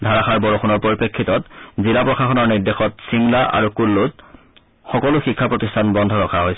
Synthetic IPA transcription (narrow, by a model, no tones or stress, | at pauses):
dʱaɹaxaɹbɔɹɔxunɔɹpoɹipekʰːitɔtzilapɹɔxaxɔnɔɹniɹdexɔtsiŋlaʔa̰ɹukulːut | xɔkɔluxikʰːapɹɔtistʰanbɔndʱɔɹɔkʰaɦojsɛ